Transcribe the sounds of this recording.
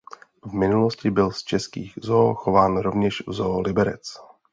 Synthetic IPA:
vmɪnuloscɪbɪlst͡ʃɛskiːɣzoːxo̞vaːnɾo̞vɲɛʃvzolɪbɛɾɛ̰t͡s

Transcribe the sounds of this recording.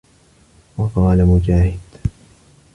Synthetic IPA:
wɑqɑːlamʊd͡ʒaːhɪd̪̥

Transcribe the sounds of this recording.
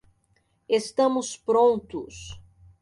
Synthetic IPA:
est̪ɐ̃mʊspɾõnt̪ʊs

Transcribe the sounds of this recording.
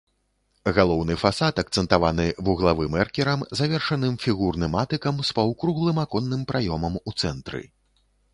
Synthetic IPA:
ɣalˠɔwnɨfasat̪ɐk̚t̪sɛnt̪avanɨvuɣlˠavɨmɛrkʲɛɾɐmzavʲɛrʂɐnɨmfʲiɣurnɨmat̪ɨkɐmspɐwkɾuɣlˠɨmakɔnːɨmpɾajɔmɐmut̪sɛnt̪ɾɨ̰

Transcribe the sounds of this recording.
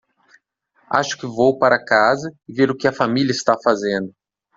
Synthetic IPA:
a̰ʃʊ̥kɪvowpaɾɐkazɐɪveɾʊkɪɐfamilʲjɐɪst̪afazẽnd̪ʊ

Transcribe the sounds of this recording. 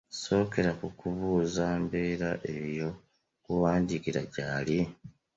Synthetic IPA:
so̞ːke̞ɾakukuβuːzaːmbe̞ːɾaʔejo̞ | kuwaːndikiɾaɟaːli

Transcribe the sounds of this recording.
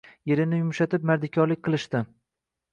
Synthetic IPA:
jeɾɪnɪjʊmʃat̪ɪp̚maɾd̪ɪkʲʰɒɾlɪkʲqʰɨlˠɪʃt̪ɪ

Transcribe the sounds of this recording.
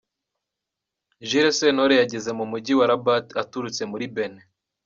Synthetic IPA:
ʒiɾesenoɾejaɟe̞ze̞mumuɟiwaɾabatatuɾut͡se̞muɾibene

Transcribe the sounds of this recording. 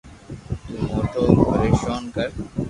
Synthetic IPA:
t̪uːmɔːʈoːpɐɾeːʃɔːnkɐɾ

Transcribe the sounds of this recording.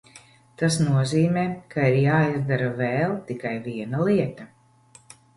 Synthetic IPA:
t̪asnuɔziːmɛːkʰaiɾjaːizd̪aɾavɛːlˠt̪ikajviɛnalˠiɛt̪a

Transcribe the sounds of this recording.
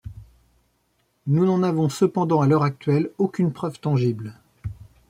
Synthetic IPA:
nunɑ̃navɔ̃səpɑ̃d̪ɑ̃alœʁak̚t̪ɥɛlokʲynpχœvt̪ɑ̃ʒibl

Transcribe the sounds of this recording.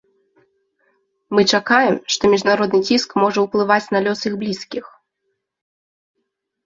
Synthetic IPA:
mɨt͡ʂakajɛmʂt̪ɔmʲiʐnaɾɔd̪nɨt͡sʲiskmɔʐɐwplˠɨvat͡sʲnalʲɔsɨɣblʲiskʲix

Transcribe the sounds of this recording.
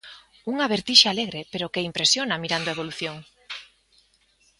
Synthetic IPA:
uŋaβeɾt̪iʃaːleɣɾepeɾokeimpɾesjonamiɾand̪oeβ̞oluθjoŋ

